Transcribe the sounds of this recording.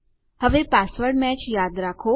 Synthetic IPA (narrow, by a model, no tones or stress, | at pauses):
həʋepasʋəɾɽmɛt͡ʃjad̪ɾakʰo